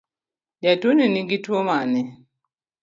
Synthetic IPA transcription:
ɟatuniniɡitwomanɛ

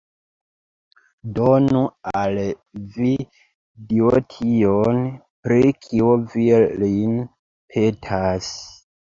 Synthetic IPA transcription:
donual | vi | diotʰion | pɾikʰiovilin | pʰetʰas

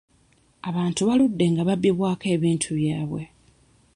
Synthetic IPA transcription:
aβaːntuβaludːe̞ŋɡaβabːiβwaːke̞ːβiːntʰuβjaːβwe̞

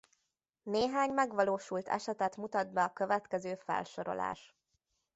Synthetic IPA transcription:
neːɦaːɲmɛɡʋɒloːʃult̪ʰɛ̰ʃɛt̪ɛt̪mut̪ɒd̪̚bɛɒkøvɛt̪kɛzøːfɛ̰lʃo̞ɾo̞̰lʔa̰ːʃ

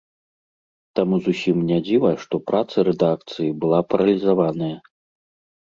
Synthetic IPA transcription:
t̪amuzusʲimnʲad͡zʲivɐjʂt̪ɔpɾʔat̪sɐɾɛd̪akt̪sɨjibɨlˠapɐɾɐlʲizavanɐjɐ

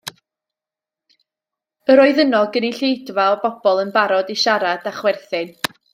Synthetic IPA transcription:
əɾɔɨðənɔlˠɡəniɬejdvaɔbɔb̥ɔlˠənbaɾɔdiʃaɾad̥aχwɛrθɪn

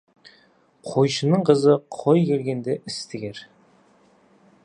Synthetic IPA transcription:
qʰojʃənəɴqʰəzəqʰojkʰʲe̞lɡʲe̞nd̪eʔɪst̪ɪɡʲeɾ

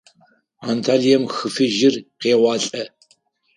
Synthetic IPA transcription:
antʰaːlijɛmxɨfɨʒɪrqeːwɑːɬʼɐ

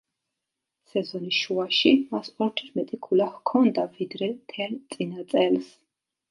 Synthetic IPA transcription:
sɛzɔniʃuaʃimasɔɾt̪ʰɾmɛt̪ʼikʰulahkʰɔnd̪avid̪ɾɛt̪ʰɛɾt̪sʼinat̪sʼɛls

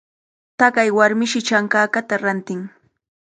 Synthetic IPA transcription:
t̪akajwaɾmɪʃɪt͡ʃaŋkaːkat̪aɾant̪ɪŋ

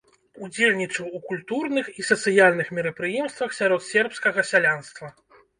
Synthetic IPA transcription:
ud͡zʲelʲnʲit͡ʂɐwukulʲt̪urnɨxisɐt̪sɨjalʲnɨxmʲiɾɐpɾɨjɛmst̪vɐxsʲaɾɔt̪sʲɛrpskɐɣɐsʲalʲanst̪vɐ

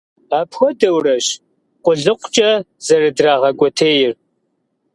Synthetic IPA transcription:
aːpʰxʷɔdɐwrɐɕ | qʷʼʊɮɨqʷt͡ʃʼɐ | z̥ɐrɨdraːʁɐkʷʼɔtʰeːjɪr

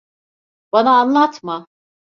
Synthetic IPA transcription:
banaːnlˠat̪ʰma

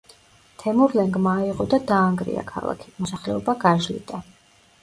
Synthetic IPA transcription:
t̪ʰɛmuɾlɛŋɡmaːiʁɔd̪ad̪aːŋɡɾḭa̰kʰa̰lˠa̰kʰi̥mɔsaχlɛɔbaɡaʒlḭd̪ʼa

